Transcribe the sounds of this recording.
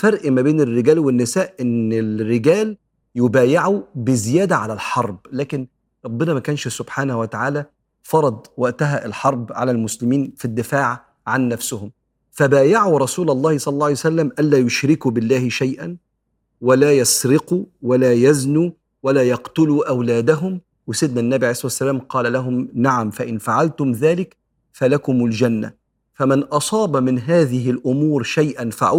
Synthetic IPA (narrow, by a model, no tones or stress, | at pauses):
fɑɾʔmæbeːnɪrːɪɡæːlwenːɪsæːʔʔɪnːɪlrːeɡæːl | jʊbæːjaʕubɪzɪjæːd̪æʕalælħɑɾˤblæːkɪn | ɾˤɑbːɪnæmækæːnʃsʊbħaːnhwæt̪aʕaːlæ | fɑɾˤɑd̪ˤwæʔt̪æɦæʔɪlħɑɾˤbʕa̰lælmʊslɪmiːnfid̪ːɪfaːʕ | ʕanːæfsʊhʊm | fæbæːjaʕuɾˤɑsuːlɑlˤːɑːhsˤɑlːɑlːˤɑːljsælːæmʔænlːæːjoʃɾɪkuːbɪlːaːhɪʃajʔan | walaːjɑsɾɪquːwalaːjæznuː | walaːjɑqt̪ʊluːʔawlaːd̪aɦʊm | wɪsɪd̪nænːæbiʕjesˤsːælaːmqɑːlælaɦʊmnaʕamfæʔɪnfaʕalt̪ʊmðaːlɪk | fælakʊmʊld͡ʒanːa̰ | fæmɪnʔɑsˤɑːbmɪnɦaːðɪɦɪlʔʊmuːɾʃajʔanfaʕ